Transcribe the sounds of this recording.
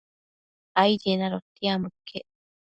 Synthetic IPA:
ajɾenaɾot̪ːiamɯkːe

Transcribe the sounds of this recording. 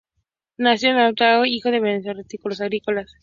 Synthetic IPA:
nasjonaðot̪aðoixoðeβenes̬oɾet̪ikulos̬aɣɾikolas

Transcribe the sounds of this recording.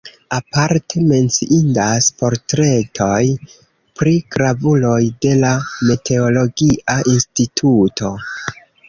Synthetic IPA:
apaɾte̞me̞nt͡siʔindaspo̞ɾtɾe̞tʰo̞j | pɾikɾavulo̞jde̞lame̞tʰe̞o̞lo̞ɡiʔaʔinstitʰutʰo̞

